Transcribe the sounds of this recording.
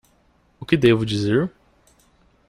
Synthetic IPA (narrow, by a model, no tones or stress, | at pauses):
ʊkɪd̪evʊd͡ʒizeɾ